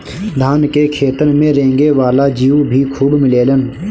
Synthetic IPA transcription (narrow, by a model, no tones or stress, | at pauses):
d̪ʱaːnkekʰeːt̪ənmẽɾẽːŋɡeʋaːlad͡ʒiːubʱikʰuːbmɪleːlən